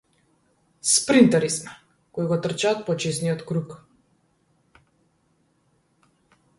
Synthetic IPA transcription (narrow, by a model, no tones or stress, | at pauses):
spɾint̪ɛɾismɛ | koiɡɔt̪r̩t͡ʃaːt̪̚pɔt͡ʃɛsnijɔt̪kɾuk